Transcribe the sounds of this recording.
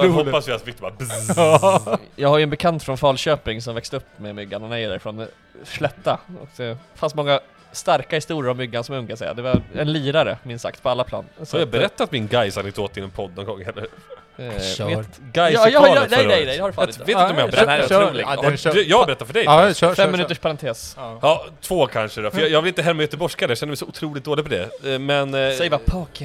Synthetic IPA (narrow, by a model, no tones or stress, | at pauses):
uhɔpːasvɪat̪fɪk̚t̪ba | jɑːɡhaɾjʏɛnbɛkʰant̪fɾɔnfɑːlɕøːpɪŋsɔmvɛkst̪əɵpːmɛmʏɡːanɔnɛjəd̪æɾɪfɾoːn | ʂlɛt̪ːaɔ̰kd̪ɛfanst̪mɔŋːa | st̪aɾkahɪst̪uːɾəɾavmʏɡːansɔmɵŋkasɛ̰ja̰d̪ɛvaɛnliːɾaɾə̰mɪnsa̰kt̪̚pʰɔalːapʰlɑ̰ːnjɑːɡbɛɾɛt̪ːat̪mɪnɡajsanɛk̚d̪oːt̪ɪnɛnpʰɔd̪ːnɔnɡɔŋːhɛlːə | ɡajd̪ɛd̪ɛjd̪ɛjd̪ɛhadɛfaːɪet̪ɪɔɔjahabɛɾɛnæd̪ɾuːlɪɡd̪jɑːɡbɛɾɛt̪ːat̪fœɖɛjfɛmmːɪʉt̪əʂpʰaɾant̪ʰeːsɑt̪ʰvoːkʰanʂəd̪ɔfəjɑjɑːɡvɪlɪnt̪əɦɛlmːajœt̪əbɔʂkad̪ɛjɑɕɛnəmɛɪsɔʊt̪ʰɾuːlɪt̪̚d̪oːlɪɡfɔɖ̪ɛ̰mɛnsɛjvapʰɑːk